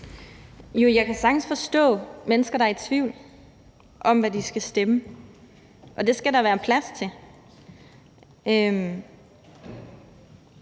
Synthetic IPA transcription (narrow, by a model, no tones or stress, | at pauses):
jo̝jɑ̈kʰæsɑ̈ɡ̥n̩sfɒ̽sd̥ɔ̰̽ːmenəsɡ̥ɐɾɑet͡sʰʋiʊl | ʔɒ̽mʋæd̥isɡ̥æsd̥emə | ʔɒ̽d̥e̝sɡ̥æɾɑ̈ʋæːɐpʰlæst͡sʰe̝ | øm